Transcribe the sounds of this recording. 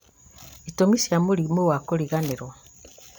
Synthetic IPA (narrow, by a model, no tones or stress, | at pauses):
itomisiamulimuwakoɾiɣaneɾo